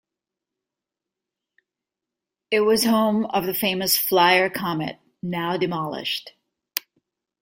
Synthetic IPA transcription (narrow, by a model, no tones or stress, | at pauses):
ɪt̚wʌz̥hõʊ̃mʌvðɨfẽɪ̃mɨsflaɪə˞kʰɑmɨ̰t̚ | naʊdɨmɑlˠɪ̰ʃt